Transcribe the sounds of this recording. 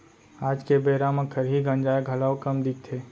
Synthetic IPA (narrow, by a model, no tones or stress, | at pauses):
aːd͡ʒkebeːɾamə̃kʰəɾɦiɡə̃nd͡ʒaːeɡʱɐlaːwkəmd̪ik̚t̪ʰeː